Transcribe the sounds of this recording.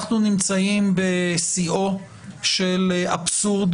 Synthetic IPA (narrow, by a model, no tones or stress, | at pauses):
χnunimt͡saimbesio̞ | ʃelʔabsuʁd̪